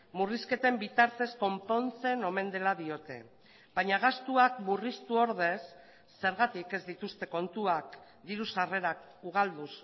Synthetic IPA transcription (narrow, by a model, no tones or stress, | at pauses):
muriske̞t̪e̞mbit̪aɾt̪e̞sko̞mpo̞nt͡se̞no̞me̞nd̪e̞laðio̞t̪e̞̰ | baɲaɣ̞ast̪uakmurist̪uo̞ɾð̞e̞sː | e̞ɾɣat̪ike̞zd̪it̪ust̪e̞ko̞nt̪uak | d̪iɾusare̞ɾak | uɣ̞ald̪us